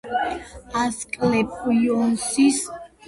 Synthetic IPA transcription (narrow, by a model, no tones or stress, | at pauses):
askʼlɛpʼujɔnsis